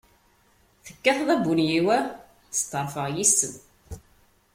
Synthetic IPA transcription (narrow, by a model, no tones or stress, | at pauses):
θə̥kːæθðˤæbunjiwæ | θst̪ːəɾˤfəʁjisən